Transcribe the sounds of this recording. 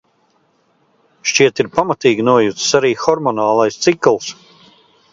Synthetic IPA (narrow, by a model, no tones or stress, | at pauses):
ʃt͡ʃiɛt̪iɾpamat̪iːɡʲinuɔjut̪ssaɾiːxɔɾmɔnaːlˠajst̪siklˠs